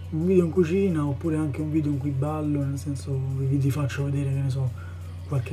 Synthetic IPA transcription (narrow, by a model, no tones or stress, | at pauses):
uɱviːd̪eoiŋkut͡ʃiːnaopːuːɾeaŋkeuɱviːd̪eoiŋkibːalːonelsɛnsokvid̪ifat͡ʃːoved̪eːɾekenːes̬ɔ | kːwalke